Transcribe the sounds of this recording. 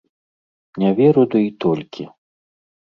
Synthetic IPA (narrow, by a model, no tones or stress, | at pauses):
nʲavʲɛɾud̪uit̪ɔlʲkʲi